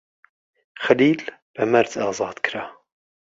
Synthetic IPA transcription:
xaliːlb̥ɐmæɾd̪ɑːzˤɑːd̪̥kʰɾa

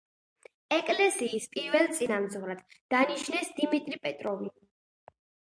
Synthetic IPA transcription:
ɛkʼlɛsiːspʼiɾvɛlˠt̪sʼinamzvɾad̪̥d̪̥aniʃnɛsd̪imit̪ʼɾipʼɛt̪ʼɾɔvi

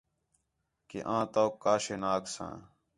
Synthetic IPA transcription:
kḛʔãːt̪oːkːaːʃeːnaːksã̰ː

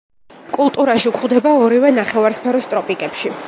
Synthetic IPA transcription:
kʼulˠt̪ʼuɾaʃiukʰχwd̪ɛbaɔɾivɛnaχɛvaɾspʰɛɾɔst̪ʼɾɔpʼikʼɛpʃi

